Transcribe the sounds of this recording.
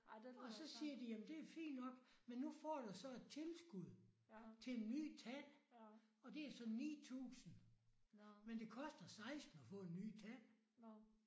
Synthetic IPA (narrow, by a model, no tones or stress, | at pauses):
ɒ̽sɒ̽siːɐd̥ijæmnd̥e̝æfḭːnd̥ɒ̽ɡ̥menːufɒ̰ːd̥usɒ̽e̝d̥̚t͡sʰe̝lsɡ̥uð̰ˠt͡sʰe̝lenːy̰ːt͡sʰæn̰ | ɒ̽d̥e̝æɐsɒ̽nḭːt͡sʰṵːsn̩ | mend̥e̝kʰɒ̽sd̥ɐsɑ̈ɪsd̥n̩ɒfɔ̰ːe̝nːy̰ːt͡sʰæn̰